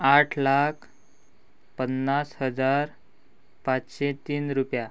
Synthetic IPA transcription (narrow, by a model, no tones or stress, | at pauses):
aʈʰlakʰ | pənːashəd͡zaɾ | pat͡sɕet̪iːnɾupja